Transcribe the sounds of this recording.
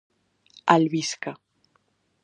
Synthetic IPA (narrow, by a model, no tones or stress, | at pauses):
albiska